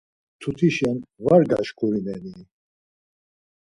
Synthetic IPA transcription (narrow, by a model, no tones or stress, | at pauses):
t̪ʰut̪ʰiʃɛnvaɾɡa̰ʃkʼuɾinɛni